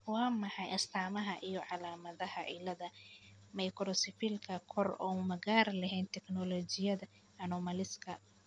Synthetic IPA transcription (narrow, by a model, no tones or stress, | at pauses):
wɑːmɐħɑjɐst̪ʰaːmɐɦɐʔijɔʕɑlaːmɐðɐhɐʔɪlɐðɐmɐjkʰɾɔsɪfiːlkʰɐkʰɔrɔ̰mɐɣaːɾlɐɦɛːnt̪ʰɛknɔlɔːt͡ʃɪjɐðɐ | ɐnɔmɐlɪskʰɐ